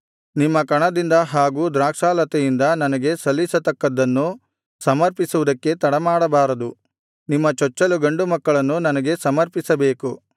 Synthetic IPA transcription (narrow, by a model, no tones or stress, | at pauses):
nimːɐkɐɳɐd̪ind̪ɐɦaːɡuːd̪ɾaːkʂaːlɐt̪ɛjind̪ɐnɐnɐɡe̞sɐlːisɐt̪ɐkːɐd̪ːɐnːu | sɐmɐɾpisuʋud̪ɐkːe̞t̪ɐɽɐmaːɽɐbaːɾɐd̪u | nimːɐt͡ʃɔt͡ʃːɐluɡɐɳɖumɐkːɐɭɐnːunɐnɐɡe̞sɐmɐɾpisɐbe̞ːku